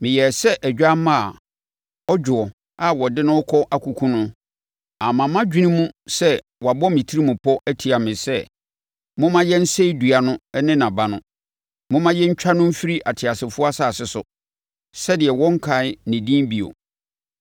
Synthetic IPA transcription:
mɪ̃˨jɛ˨sɛ˦ʔæ˨d͡ʑᶣa˦mã˦˨ | ɔ˦d͡ʑᶣʊ˨ɔ˨ | a˦wɔ˨dɪ˦nʊ̃˦ɔ˦kʰɔ˦ʔa˦kʰu˨kʰũ˦nʊ̃˦ | a˨mã˨mã˦d͡ʑᶣi˦nĩ˦mũ˦sɛ˦ | wɔ˨a˨bɔ˦mɪ̃˨tʰi˦ɾi˦mũ˨pʰɔ˦ʔæ˦tʰi˨a˨mɪ̃˨sɛ˦˨ | mʊ̃˦mã˦jɛ˦n̩˦se˦i˦du˨a˨nʊ̃˦nɪ̃˦nã˨ba˨nʊ̃˦ | mʊ̃˦mã˦jɛ˦ɲ̩˦t͡ɕᶣa˦nʊ̃˦m̩˦fi˦ɾi˦ʔa˨tʰɪ˨a˨sɪ˨fʊ˦a˦saː˦˨sɪ˨sʊ̰˨ | sɛ˦dɪ˨ɛ˨wɔ̃˦ŋ̩˦kʰa˨˦ɪ˦nɪ̃˨dĩ˦bi˨o̰˨

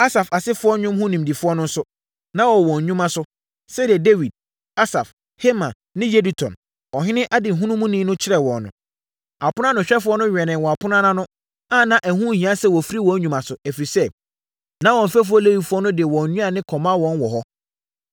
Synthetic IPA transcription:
a˦sa˨fa˨sɪ˦fʊ˦ɔ˦ɲʊ̃˦mɦʊ̃˦nĩ˨mdi˨fʊ˦ɔ˦nʊ̃˦n̩˦sʊ˦ | nã˦wɔ˨wɔ̃˨ɲ̩˨ɲᶣũ˦mã˦sʊ˦ | sɛ˦dɪ˨ɛ˨de˦wi˨d̚ | a˦sa˨f | he˦mã˨ | nɪ̃˦je˦di˨tʰɔ̰̃˨n | ɔ˨ɦɪ̃˦nɪ̃˦ʔa˦dɪ˨ɦũ˦nũ˦mũ˦nĩː˦nʊ̃˦t͡ɕʰɪ˦ɾɛ˨wɔ̰̃˨nːʊ̰̃˨ | a˨pʊ˦nã˦nʊ̃˨ɕᶣɛ˦fʊ˦ɔ˦nʊ̃˦ɥᶣɛ˨nɪ̃˨wɔ̃˨a˨pʰʊ˦nã˦nã˦nʊ̃˦ | ã˦nã˦ʔæ˨hũ˦˨hĩ˨˦ã˦sɛ˦wɔ˨fi˦ɾi˦wɔ̃˦ɲᶣũ˨mã˨sʊ˨æ˨fɾi˨sɛ˦ | nã˦wɔ̃˨m̩˨fæ˦f̬ʊ˦ɔ˦le˦wi˨fʊ˦ɔ˦nʊ̃˦dɪ˨ɛ˨wɔ̃˨n˨ɲũ˦a˨nɪ̃˦kʰɔ˨mã˦wɔ̃˨˦nwɔ˨ɦɔ˦

